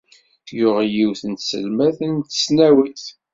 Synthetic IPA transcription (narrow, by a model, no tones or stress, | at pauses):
jʊʁjiwθənt̪sə̰lmæθənt̪ə̥snæwiθ